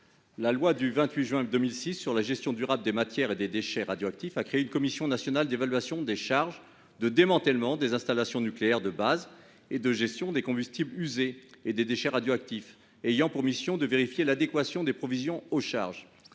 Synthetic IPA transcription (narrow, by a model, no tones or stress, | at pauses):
lalwad̪yvɛ̃t̪ɥiʒɥɛ̃d̪əmilsisːyʁlaʒɛst̪jɔ̃d̪yʁabld̪emat̪jɛʁed̪ed̪eʃɛʁad̪joak̚t̪ifakχeeynkɔmisjɔ̃nasjɔnald̪evalɥasjɔ̃d̪eʃaʁʒ | d̪əd̪emɑ̃t̪ɛlmɑ̃d̪ezɛ̃st̪alasjɔ̃nykleɛʁd̪əbaz | ed̪əʒɛst̪jɔ̃d̪ekɔ̃byst̪iblyzeed̪ed̪eʃɛʁad̪joak̚t̪if | ejɑ̃puʁmisjɔ̃d̪əveʁifjelad̪ekwasjɔ̃d̪epχɔvizjɔ̃oʃa̰ʁʒ